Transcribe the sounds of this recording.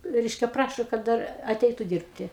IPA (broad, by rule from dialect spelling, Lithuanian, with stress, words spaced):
ˈrʲɛɪʃʲkʲɛ ˈprɑːʃoː kɐt ˈdɐr ɐˈtʲɛɪtʊ ˈdʲiːrʲpʲtʲɪ